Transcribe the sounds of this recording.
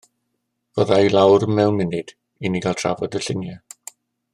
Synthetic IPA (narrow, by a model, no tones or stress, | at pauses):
v̥əðailˠawrmɛlˠmɪnɨd̥ | iniɡalˠtʰra̰vɔdəɬɪnja